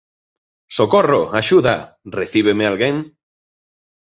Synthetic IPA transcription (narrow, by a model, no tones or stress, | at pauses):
sokoroaʃuða | reθiβ̞emealɣeŋ